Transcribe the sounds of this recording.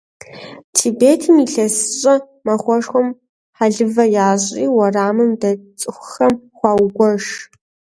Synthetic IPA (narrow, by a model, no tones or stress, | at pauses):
tʰibeːtʰimiɬɐsɨɕʼɐ | mɐχʷɔʂxʷɔm | ħaɮɨvɐjaːɕʼḭːwɐraːmɨmdɐt͡sʼɨxʷxɐmχʷɑːwɡʷɔʂ